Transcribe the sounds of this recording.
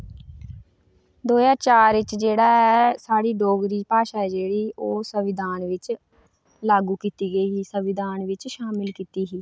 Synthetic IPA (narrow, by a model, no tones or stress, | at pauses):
d̪oːjaːt͡ʃaːɾʋɪt͡ʃd͡ʒeːɽaːɛːsaːɽiːɖoːɡɾiːpaːʃaːɛd͡ʒeːɽiːʔoːsəʋɪd̪ʱaːnʋɪt͡ʃ | laːɡuːkiːt̪iːɡəiːɦiːsəʋɪd̪ʱaːnʋɪt͡ʃʃaːmɪlkiːt̪iːɦiː